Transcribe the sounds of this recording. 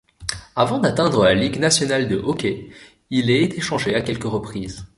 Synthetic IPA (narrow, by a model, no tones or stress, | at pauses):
avɑ̃d̪at̪ɛ̃d̪ʁəlaliɡnasjɔnald̪əʔɔkʲe | ilɛet̪ʰeʃɑ̃ʒeakʲɛlkəʁəpχiz